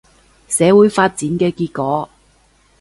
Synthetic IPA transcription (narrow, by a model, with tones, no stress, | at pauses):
sɛː˨˥wuː˨˥jfaː˧t̚t͡siː˨˥nkɛː˧kiː˧t̚kɔː˨˥